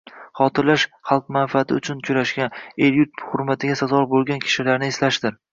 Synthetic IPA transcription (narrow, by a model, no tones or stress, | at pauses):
χɒt̪ʰɪɾlaʃχɑlˠq̚manfiat̪ʰɪ̰ʊt͡ʃʰʊnt͡ʃʰʊɾaʃɡʲaneɾjʊt̪̚hʊɾmat̪ʰɪɡʲasazɒɾbolˠɡʲankʲʰɪ̥ʃɪlaɾnɪeslaʃd̪̥ɪɾ